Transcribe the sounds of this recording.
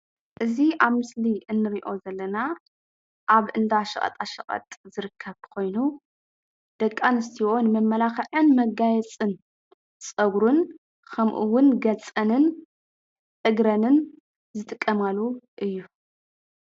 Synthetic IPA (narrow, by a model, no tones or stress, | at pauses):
ʔɨziaβmɨsliɨnːɨɾiʔo̞zɐlːɐna | ʔaβʔɨnd̪aʃɐkʼɐ̰t̪ʼaʃɐχʼɐ̰t̪ʼzɨɾɨkʰːɐβkʰo̞jnu | d̪̥ɐkʼːanɨst̪ʰiwo̞nɨmɐmːɐlaxɐʕɨnmɐɡajɛt͡sʼɨn | t͡sʼɐβɾun | kʰɐmʔuwʊnɡɐt͡sʼɐnɨn | t̪ʼɨɡɾɐnɨn | zɨt̪ʼɨkʼːɐmalːuʔɨjːu